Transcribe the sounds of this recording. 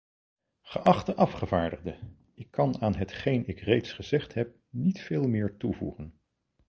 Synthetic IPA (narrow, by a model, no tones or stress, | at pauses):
χəʔɑχtəʔɑfχəvaːɹdəχdə | ɪkʰːɑnaːnɦətχejnɪkrejtsχəzɛχtɦɛp̚nitfeːlˠmɪːɹtuvṵχən